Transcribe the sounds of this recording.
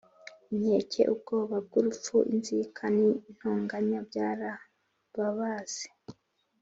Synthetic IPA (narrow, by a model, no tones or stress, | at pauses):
imɲe̞ːcʰe̞̰ʔub̚ɡo̞ːβab̚ɡuɾup͡ffuʔḭnzikʰanin̥hoːŋɡaɲabɟaːɾa | βaβaːz̥e̥